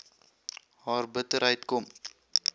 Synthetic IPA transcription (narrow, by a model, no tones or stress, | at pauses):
ɦɑːrbətəɾɦəjtkɔm